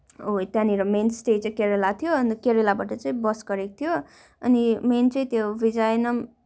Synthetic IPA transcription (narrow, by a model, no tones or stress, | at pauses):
ot̪jãniɾʌmensʈet͡sʌj̃keɾelat̪ʰijoʌnkeɾelabaʈʌt͡sʌĩbʌsɡʌɾekt̪ʰijo | ʌniment͡sʌĩt̪jobid͡zajnʌm